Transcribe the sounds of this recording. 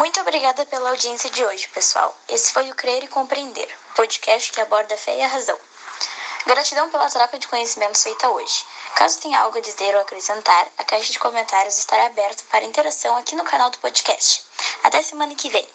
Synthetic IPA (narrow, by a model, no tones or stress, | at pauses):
mũj̃t̪ʊobɾiɡad̪ɐpelɐawd͡ʒiẽsiɐd͡ʒɪoʒɪpesua̰wesɪ̥fojʊkɾeɾɪkõpɾiẽnd̪ḛɾpod͡ʒikɛst͡ʃɪ̥kɪabɔɾd̪ɐfɛ̰ɪɐɦazɐ̰̃w̃ | ɡaɾɐt͡ʃid̪ɐ̃w̃pelɐt̪ɾɔkɐd͡ʒɪkõɲesimẽnt̪ʊ̥fejt̪ɐo̰ʒɪ̥ka̰zʊt̪ẽj̃ɐa̰wɡʊɐd͡ʒizeɾoakɾesẽnt̪aɾɐkajʃɐd͡ʒɪkomẽnt̪aɾjʊzɪst̪aɾaːbɛɾt̪ʊ̥paɾɐĩnt̪eɾasɐ̃w̃akinʊkanawd̪ʊpod͡ʒikɛst͡ʃɪ̥at̪ɛɐsemɐ̃nɐkɪvḛ̃j̃